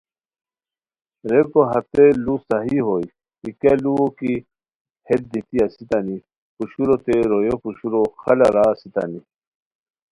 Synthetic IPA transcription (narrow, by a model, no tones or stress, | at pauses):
ɾekoɦɐt̪elusaɦiɦoj | ikeluoki | het̪̚d̪it̪iasit̪ani | puɕuɾot̪eɾojopuɕuɾoxɐlaɾaːsit̪a̰ni